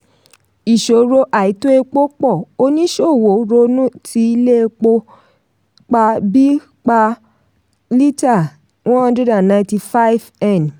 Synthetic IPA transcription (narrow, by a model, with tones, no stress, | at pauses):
i˨ʃo˨ɾo˧ʔa˨i˨˦to˦e˧k͡po˦k͡pɔ˦˨o˧˦nĩ˦ʃo˦˨wo˨ɾo˧nũ˦tʰi˧i˧le˦˧k͡po˧ | k͡pa˧bi˦ | k͡pa˧ | li˦ta˦˨ | wɔ̃˦ã˦dɾɛ˦da˨nã˧ĩ˦ti˧fa˦i˦vɛ˦˨n